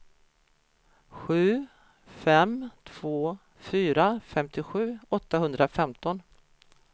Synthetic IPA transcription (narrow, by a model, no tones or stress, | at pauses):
ɧʉ̟ː | fɛmt̪ʰv̥oː | fyːɾafɛmt̪ʰɪɧʉ̟ːɔt̪ːahɵnd̪ɾafɛmt̪ɔn